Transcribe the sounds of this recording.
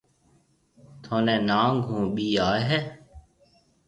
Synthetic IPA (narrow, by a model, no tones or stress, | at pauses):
t̪ʰoːnẽːnãːɡʱũːɓiːaːɦɛː